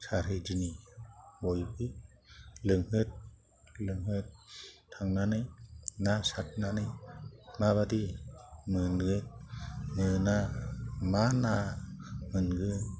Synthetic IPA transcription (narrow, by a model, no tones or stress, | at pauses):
saɾɦɯjd͡ʒɯnibɔjbɯ | lɯŋɦɯt̚ | lɯŋɦɯt̚ʰː | aŋnanɯjnasat̚nanɯjmaβadimɯnɡɯt̚nɯna | mana | mɯnɡɯ